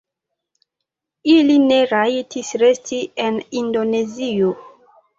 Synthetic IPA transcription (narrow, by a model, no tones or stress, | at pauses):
iline̞ɾajtʰisɾe̞stienindo̞ne̞zio